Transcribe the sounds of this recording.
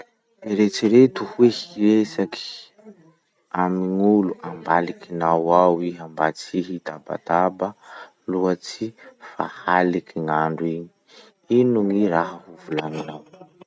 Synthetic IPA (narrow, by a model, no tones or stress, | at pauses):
iɾet͡siɾet̪uhwehiesaki̥ | amiŋuluʔambalikinawawiɦambat͡siɦit̪aba̰t̪abə | luat͡sifa̰halikʰiŋaɳɖ͡ʐuiɲi̥ | inuŋiɾaɦəhuvulaninaw